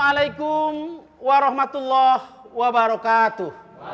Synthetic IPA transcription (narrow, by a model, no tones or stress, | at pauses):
alajkum | waɾɔhmat̪ulːah | wabaɾɔkaːt̪uh